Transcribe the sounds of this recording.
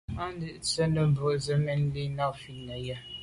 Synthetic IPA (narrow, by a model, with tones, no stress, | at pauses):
a˦n˦də˦ʔt͡sə˦nə˨bo˨zə˦mɛ˦n˦li˦na˦˨fi˦nə˨ja˦